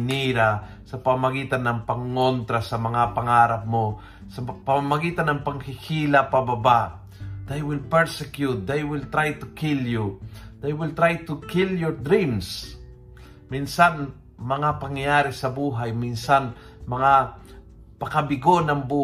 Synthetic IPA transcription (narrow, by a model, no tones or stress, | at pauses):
niɾa | sɐpɐmamɐɡiːt̪ɐnːɐŋpɐŋːont̪ɾasɐmɐŋapɐŋaːɾɐp̚mo | sɐpɐmamɐɡiːt̪ɐnɐŋpɐŋkɪhʰilɐpɐbɐba | d̪̥ajwɪlpɛɹsɛkjut̪̚d̪ejwɪlt̪ɾajt̪ʊkiljud̪̥ejwɪlt̪ɾajt̪ʊkiljɔɹd̪ɾĩms | minsan | mɐŋapɐŋjjjaːɾɪsɐbuːɦajminsan | mɐŋa | pɐkɐbɪɡonɐŋbuː